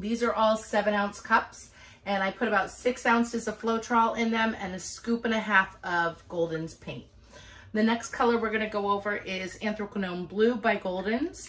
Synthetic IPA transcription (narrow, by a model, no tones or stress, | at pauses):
ðizə˞ʔɔlˠsɛvɨ̃ñãʊ̃nskʰʌps | ɨ̃naɪpʰʊɾɨbaʊtsɪksãʊ̃nsɨzə̥floʊtʰɹ̥ɔlˠɪ̃nðɨ̃mɨ̰̃nɨskʉpɨ̃ñɨɦæfʌvɡoʊlˠdⁿn̩z̥pʰẽɪ̃nt | ðɨnɛkskʰʌlˠə˞wɨɹɡʌñɨɡoʊoʊvə˞ʔɪzæ̃nθɹokənõʊ̃mblʉbaɪɡoʊlˠdⁿn̩z̥